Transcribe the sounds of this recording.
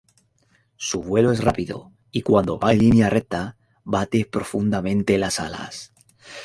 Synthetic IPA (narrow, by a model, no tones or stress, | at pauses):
suβwe̞loe̞srapiðo̞̰ | ikwand̪o̞̰βajlinjarʔek̚t̪a | βat̪e̞pɾo̞fund̪amẽ̞nt̪elasala̰s